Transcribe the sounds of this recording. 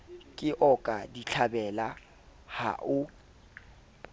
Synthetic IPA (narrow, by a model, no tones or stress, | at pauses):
kʼɪʔɔkʼadiɬʰabɛla | ha̰ʔʊ